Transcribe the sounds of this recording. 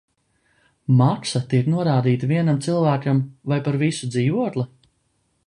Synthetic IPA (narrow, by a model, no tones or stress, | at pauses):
maksat̪iɛknuɔɾaːd̪iːt̪aviɛnamt̪silˠvæːkamvajpaɾvisud̪ziːvuɔklˠi